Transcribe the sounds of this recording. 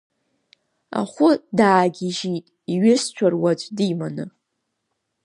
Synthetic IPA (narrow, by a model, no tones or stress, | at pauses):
a̰χʷʊdaːɡʲiʒitʼiɥɪst͡ʃʷʰarwat͡ɕʷʼdimanɨ